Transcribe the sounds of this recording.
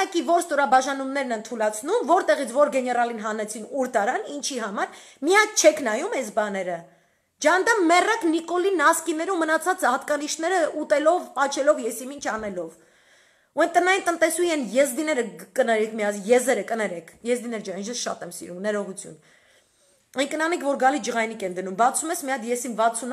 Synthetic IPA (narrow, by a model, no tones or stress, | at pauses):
ɑkivɔɾst̪ɔɾɑbɑʒɑnumnɛɾnɛnt̪ʰulɑt͡sʰnumvɔɾt̪ɛʁit͡sʰvɔɾɡɛnɛrɑlinɦɑnɛt͡sʰinuɾt̪ɑɾɑnint͡ʃʰiɦɑmɑɾ | mijɑk̚ʰt͡ʃʰɛkʰnɑjumɛsbɑnɛɾə | d͡ʒɑnd̪ɑmmɛrɑknikɔlinːɑskinːɛɾumːənɑt͡sʰɑt͡sɑɑt̪kɑniʃnɛɾəʔut̪ɛlɔvpɑt͡ʃʰɛlɔvjɛsimint͡ʃʰɑnɛlɔv | uɛnt̪ənɑjint̪ənt̪ɛsujɛnjɛzd̪inɛɾəkənɛɾɛkʰmiɑsjɛzɛɾəkənɛɾɛkʰjɛzd̪inɛɾd͡ʒɛnind͡ʒ̪ɛsʃɑ̰t̪ɛmsḭɾumnɛɾɔʁut͡sʰjṵn | ɛnkənɑnikvɔɾɡɑlid͡ʒəʁɑjnikɛnd̪ənumbɑt͡sʰumɛsmiɑd̪jɛsimvɑt͡sʰun